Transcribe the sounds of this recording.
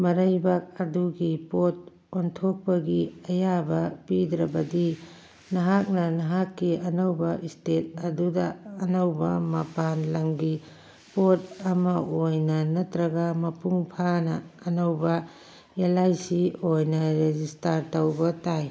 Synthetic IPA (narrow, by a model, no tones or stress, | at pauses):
mɐɾɐjbak̚ɐduɡipot̚ | ontʰok̚pɐɡiɐjabɐpidɾɐbɐdi | nɐɦak̚nɐnɐɦakːiɐnɐwbɐʔistet̚ɐdudɐɐnɐwbɐmɐpanlɐŋɡi | pot̚ɐmɐʔojnɐnɐtɾɐɡɐmɐpuŋpʰanɐːnɐwbɐ | jalajsiojnɐɾezistaɾtɐwbɐtaj